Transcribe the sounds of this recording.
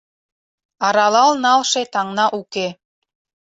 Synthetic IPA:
ɑɾɑlɑlnɑlʃet̪ɑŋnɑʔuke

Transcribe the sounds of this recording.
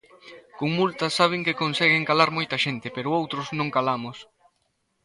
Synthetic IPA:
koŋmult̪ɐsaβ̞ɪŋkɪkonsɛɣɪŋkalaɾmojt̪ɐʃent̪ɪpɛɾʊowt̪ɾʊznõŋkalamʊs

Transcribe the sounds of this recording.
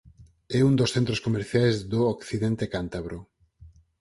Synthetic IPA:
ɛund̪osθent̪ɾoskomeɾθjajzðookθiðɛnt̪ekant̪aβɾo

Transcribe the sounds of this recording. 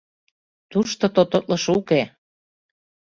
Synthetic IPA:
t̪uʃt̪ot̪ot̪ot̪lɤʃuke

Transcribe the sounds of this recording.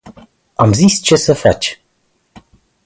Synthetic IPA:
amzist͡ʃe̞səfa̰t͡ʃʲ

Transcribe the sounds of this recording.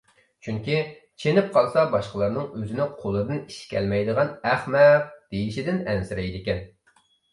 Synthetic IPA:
t͡ʃʰyŋkʲi | t͡ʃʰenɪp̚qʰɑlˠsɑbɑʃqəlˠɑɾnɨŋøzɪnɪqʰolˠɨd̪ɨni̥ʃkʲʰɛ̰lmɛjd̪əʁɑnæχmɛq̚d̪̥ejiʃid̪ɪnɛnsɪɾɛjd̪ɪkʲɛn

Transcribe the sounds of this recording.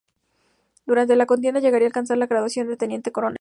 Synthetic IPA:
d̪uɾant̪̬e̞lako̞nt̪̬enaʝe̞ɣaɾialkansaɾlaɣɾaðwasjo̞nd̪et̪e̞nje̞nt̪e̞ko̞ɾo̞n

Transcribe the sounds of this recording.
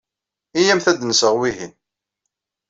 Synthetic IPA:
ijæmθæd̪nsəʁwiɦin

